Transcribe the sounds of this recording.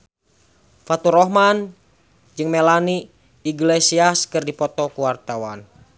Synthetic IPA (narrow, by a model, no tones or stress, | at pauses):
fat̪uɾɔɦman | d͡ʒɨŋmɛlani | iɡlɛsiaskɨrdipɔt̪ɔkuwart̪awan